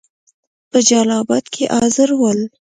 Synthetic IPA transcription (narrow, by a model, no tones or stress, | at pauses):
pəd͡ʒɑlɑbɑd̪kʰeʔɑzɪɾwəl